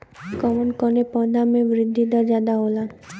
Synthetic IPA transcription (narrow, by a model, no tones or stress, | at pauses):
kɔmənkɔnepɔnamẽʋɾɪd̪ʱːid̪əd͡ʒad̪aɦola